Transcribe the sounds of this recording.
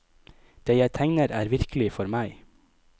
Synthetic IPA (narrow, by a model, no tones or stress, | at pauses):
d̪̥eːjæɪt̪ʰɛŋnəɾæːɾʋɪɾkʰəlɪfɔɾmæɪ